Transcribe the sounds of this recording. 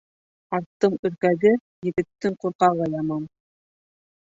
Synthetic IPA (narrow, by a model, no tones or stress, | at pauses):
ɑɾt̪ːɤmɵ̆ɾkæɡɘ | jɘ̆ɡɘ̆t̪ːɘŋquɾqɑʁɤjɑmɤm